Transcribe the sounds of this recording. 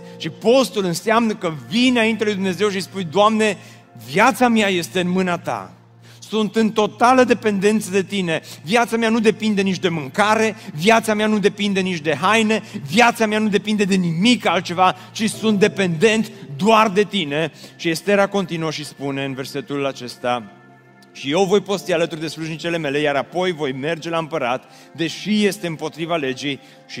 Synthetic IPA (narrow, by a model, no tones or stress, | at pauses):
ʃipo̞st̪ulɨnseamnəkəvinaint̪ealujd̪umne̞ze̞wʃispujd̪oamne̞ | vjat̪samjaje̞st̪e̞ɨnmɨnat̪a̰ | sunt̪ɨnt̪o̞t̪aləd̪e̞pe̞nd̪e̞nt̪səd̪e̞t̪ine̞vjat̪sameanud̪e̞pind̪e̞nit͡ʃd̪e̞mɨŋkaɾe̞vjat̪sameanud̪e̞pind̪e̞nit͡ʃd̪e̞ɦajne̞vjat̪sameanud̪e̞pind̪e̞d̪e̞nimikalt̪̚t͡ʃe̞va | t͡ʃisunt̪̚d̪e̞pe̞nd̪e̞nt̪d̪oard̪e̞t̪ine̞ʃiest̪eɾako̞nt̪inuəʃispune̞ɨnve̞rse̞t̪ulat͡ʃe̞st̪a | ʃije̞wvo̞jpo̞st̪ialət̪urd̪e̞sluʒnit͡ʃe̞le̞me̞le̞jaɾapo̞jvo̞jme̞rd͡ʒe̞laɨmpəɾat̪ | d̪e̞ʃije̞st̪e̞ɨmpo̞t̪ɾivale̞d͡ʒij | ʃi